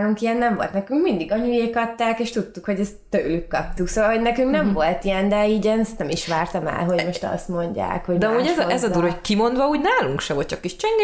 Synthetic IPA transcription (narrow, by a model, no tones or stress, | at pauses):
ɾuŋkijɛnːɛɱvo̞lt̪nɛkyŋkmind̪iɡɒɲujeːkɒt̪ːaːkeːʃt̪ut̪ːukho̞ɟɛst̪ːøːlykːɒp̚t̪uksoːʋɒlɦo̞ɟnɛkyŋknɛɱvo̞lt̪ijɛnd̪ɛiːɟɛnst̪nɛmiʃʋaːrt̪ɒmɛ̰lɦo̞ɟmo̞ʃt̪ɒ̰st̪mo̞ɲɟa̰ːkho̞d̪ɛɒmuːɟɛzʔɛzɒd̪uːɾhockimo̞nd̪ʋɒuːɟnaːluŋkʃɛʋo̞lt̪t͡ʃɒkːiʃt͡ʃɛŋɡ